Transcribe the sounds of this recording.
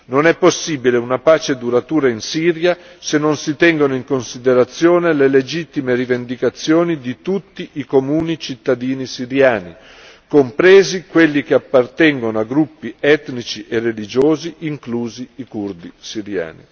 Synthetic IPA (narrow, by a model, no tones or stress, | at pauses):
nonɛpːosːiːbileunapaːt͡ʃed̪uɾat̪uːɾainsiːɾja | senːonsit̪ɛŋɡonoiŋkonsid̪eɾat̪sːjoːneleled͡ʒit̪ːimeɾivend̪ikat̪sːjoːnid̪it̪ut̪ːiʔikomuːnit͡ʃit̪ːad̪iːnisiɾjaːni | kompɾeːzikwelːik̟eapːart̪ɛŋɡonoaɡɾupːiɛt̪nit͡ʃiʔerːelid͡ʒoːziʔiŋkluːziːkurd̪isiɾja̰ːnḭ